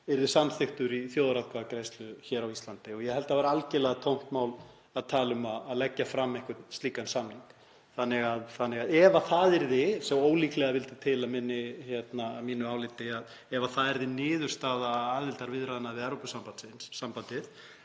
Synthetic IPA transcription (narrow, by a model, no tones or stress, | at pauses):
ɛɾðɪsamθɪht̪ʏɾiθjoːwðɾaðkʰvaðakɾeːjst̪lʏçɛːɾawist̪lant̪ɪɔɣjɛhɛlt̪avaɾalcɪlɛɣat̪ʰowm̥t̪maːwl | aðt̪ʰaːlʏmaðaðlɛcːafɾamːɛhkʏst̪iːkansamliŋk | θanːɪɣaðθanːɪɣaðɛvaθaðɛɾðɪsɛmoːwliːklɛɣavɪlt̪ɪt̪ʰɪlamɪnːɪçjɛt̪namiːnʏaːwlɪt̪ɪað | ɛvaθaðɛɾðɪnɪːðʏ̥st̪aːðaaːðvɪlt̪aɾvɪðɾaðɪnaðvɪɛɾopʏsampat̪sɪnssampant̪ɪθ